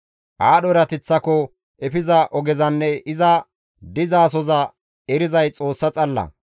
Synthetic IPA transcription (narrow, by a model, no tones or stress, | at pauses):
ʔaːɗɔɾɐt̪ɛt͡sːɐkɔ | ʔɛfɪzɐʔɔɡɛzɐnːɛɪzɐ | d̪ɪzaːs̬ɔzɐ | ɛɾɪzɐjt͡sʼo̞ːsːɐt͡sʼɐlːɐ̰